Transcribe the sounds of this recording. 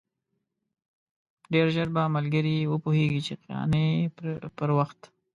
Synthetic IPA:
ɖeɾʒəɾbamalɡəɾiwəpoheɡit͡ʃeqjɑ̰nepəɾwaxt̪

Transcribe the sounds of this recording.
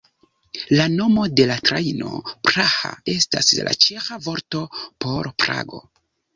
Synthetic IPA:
lano̞mo̞de̞latɾajno̞̰pɾaha̰e̞sta̰sla̰t͡ʃexavo̞ɾto̞po̞ɾpɾa̰ɡo̞̰

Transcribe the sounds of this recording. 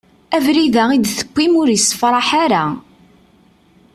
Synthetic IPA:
ævɾiðæid̪θə̥kʷːimʊɾjəsːfɾˤɑħaɾa

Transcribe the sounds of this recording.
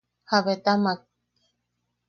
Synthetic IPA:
haβet̪amak̚

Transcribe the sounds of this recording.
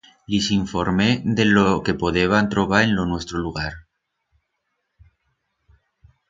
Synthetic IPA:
lisiɱfoɾmeðeloke̞poðeβant̪ɾoβaɾẽnlonwest̪ɾoluɣ̞aɾ

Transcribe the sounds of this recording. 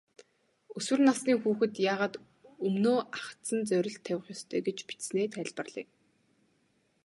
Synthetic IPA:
ɵswɘ̆rnasniːŋxuːxɘ̆t̪jaːʁaːt̪ | ɵmnoːʔaχt̪sə̆nt͡sœɾʲɪ̆ɬt̪ʰːæwʲɪ̆χjɔst̪ʰœːɡet͡ɕpi̥t̪sneːt̪ʰæɮpə̆rɮ̥ḭː

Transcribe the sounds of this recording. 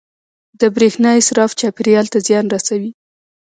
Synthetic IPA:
d̪əbɾexnɑɪsɾɑft͡ʃɑpɪɾjɑlt̪azjɑnɾasawi

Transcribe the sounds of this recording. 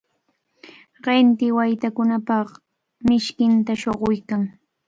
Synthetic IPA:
ɢɪnt̪ɪwajt̪akʊnapɑχ | mɪʃkɪnt̪aʃoɢʊjkaŋ

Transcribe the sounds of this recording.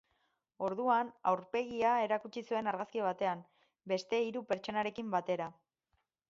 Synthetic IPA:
o̞ɾðuanawɾpe̞ɣiae̞ɾakut͡ʃisue̞naɾɣaskiβ̞at̪e̞am | be̞st̪e̞iɾupe̞ɾt͡ʃo̞naɾe̞kimbat̪e̞ɾa

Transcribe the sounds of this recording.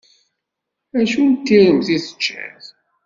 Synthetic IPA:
æʃunt̪ːiɾəmθiθə̥t͡ʃːæ̰ð

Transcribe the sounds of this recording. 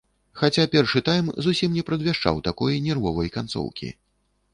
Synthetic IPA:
xat͡sʲapʲɛrʂɨt̪ajmzusʲimnʲɛpɾɐd̪vʲaʂt͡ʂa̰wt̪akɔjnʲɛrvɔvɐjkant̪sɔ̰wkʲḭ

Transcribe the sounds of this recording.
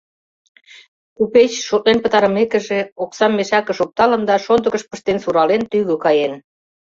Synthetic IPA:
kupet͡ɕʃoʔ̚lenpət̪ɑɾə̆mekə̆ʒeoksɑmːeʃɑkə̆ʃok̚t̪ɑlə̆nd̪ɑʃond̪ə̆ɣəʃpə̆ʃt̪ensuɾɑlent̪yɣøkɑjen

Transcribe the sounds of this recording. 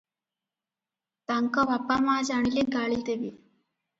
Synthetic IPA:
t̪ɐŋkɐʋɐpːamaːd͡ʒaɳileɡaːɭit̪eʋi

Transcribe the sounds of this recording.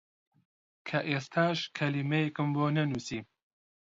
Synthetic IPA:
kʰɐʔeːst̪ʰaːʃkʰɐlimejekɨmboːnɐnuːsiː

